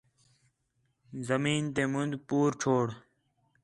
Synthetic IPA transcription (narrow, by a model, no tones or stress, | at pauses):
zəmiːnt̪eːmʊnd̪puːɾʈ͡ʂʰoːɽ